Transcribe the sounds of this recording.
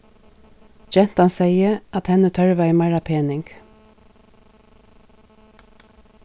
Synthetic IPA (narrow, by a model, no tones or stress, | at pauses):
d͡ʒɛnt̪ɑnseɪəʔɑt̪hɛnət̪ʰœɹʋæɪmæɹɑpʰeːnɪŋɡ̥